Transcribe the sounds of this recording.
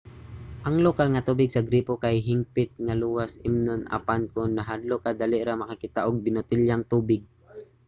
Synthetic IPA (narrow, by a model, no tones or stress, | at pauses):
ʔɐŋlokalŋɐt̪uːbɪɡsɐɡɾiːpokajɦɪmpɪt̪̚ŋaluːwasɪmnonʔa̰pankʊŋnɐɦad̪lokad̪alɪʔɾamɐkakɪt̪aʔʊɡ̚bɪnʊt̪ɪljaŋt̪uːbɪɡ̚